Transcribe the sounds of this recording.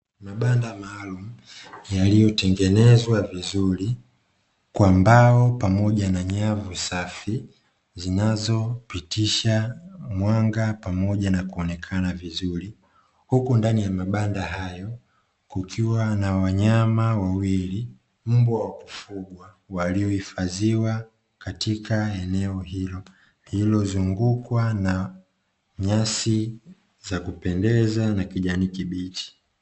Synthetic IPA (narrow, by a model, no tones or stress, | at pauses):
maɓandamaːlum̩jalijɔtɛŋɡɛnɛzwavizuɾi | kwambaɔpamɔʄanaɲavusafi | zinazɔpitiʃamwaŋɡapamɔʄanakuɔnɛkʰanavizuɾi | hukundanijamaɓandaɦajɔ | kukʰiwanawaɲamawawili | m̩buawaku̥fuɡwa | waliɔifaziwa | katikʰaɛnɛɔhilɔ | hilɔzuŋɡukwana | ɲasi | zakupɛndɛzanakiʄaniːkiɓiti̥